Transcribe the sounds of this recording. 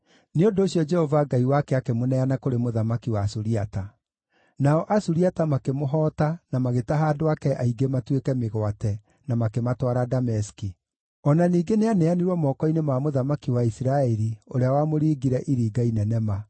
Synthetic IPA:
neondoːɕjɔd͡ʒɛhɔvaɡaiwakɛakemonɛanakoɾemoðamakiwaːsuɾiata | naɔʔasuɾiatamakemoɦɔːtanamaɣetaɦaːdoakɛʔaiɡematwekɛmeɣwatɛ | namakematwaɾadamɛski | ɔnaniːɡeneanɛaneɾwɔmɔːkɔinemamoðamakiwaisɾaɛɾioɾeawamoɾiːɡiɾɛʔiɾiːɡainɛnɛma

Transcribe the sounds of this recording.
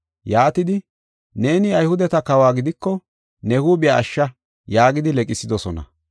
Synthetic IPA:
jaːt̪ɪd̪ɪ | ne̞ːnɪɐjhʊd̪ɛt̪ɐkɐwaːɡɪd̪ɪkːɔ | nɛhuːbɪjaːʃːɐ | jaːɡɪd̪ɪlɛkʼɪsɪd̪ɔsɔnɐ̰

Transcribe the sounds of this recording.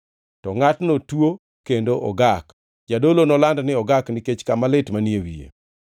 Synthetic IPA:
tɔŋatnotwo | kendoʔɔ̰ɡak | d͡ʒadolonɔlandnɪɔɡaknɪket͡ʃkamalɪtmaniewḭḛ

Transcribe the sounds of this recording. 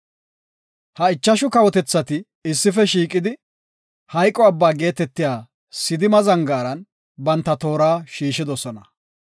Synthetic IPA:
hɐɪt͡ʃːɐʃʊkɐwɔt̪ɛt͡sːɐt̪ɪ | ɪsːɪfɛʃiːkʼɪd̪ɪ | hɐjkʼːɔɐbːaːɡe̞ːt̪ɛt̪ːɪjaː | sɪd̪ɪmɐzɐŋɡaːɾɐn | bɐnt̪ːɐt̪o̞ːɾaːʃiːʃɪd̪ɔsɔnɐ

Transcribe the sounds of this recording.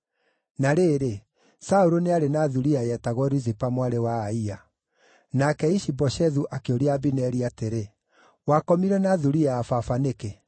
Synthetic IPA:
naɾeɾe | sauɾoneaɾenaðuɾiajɛtaɣwɔɾuzipamwaɾewaːia | nakɛiʃibɔʃɛðuʔakeoɾiabinɛɾiateɾe | wakɔmiɾɛnaðuɾiaːfafaneke

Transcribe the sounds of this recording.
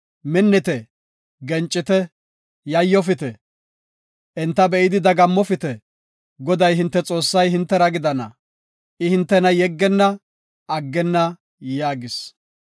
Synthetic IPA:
mɛnːɛt̪ɛ | ɡɛnt͡ʃʼːɪt̪ɛ | jɐjːɔfɪt̪ɛ | ʔɛnt̪ːɐbɛʔɪd̪ɪd̪ɐɡɐmːɔfɪt̪ɛ | ɡɔd̪ɐjɦɪnt̪ːɛt͡sʼo̞ːsːɐjhɪnt̪ːɛɾɐɡɪd̪ɐnɐ̰ | ʔɪhɪnt̪ːɛnɐjɛɡːɛnːɐː | ɡːɛnːɐ | jaːɡɪs

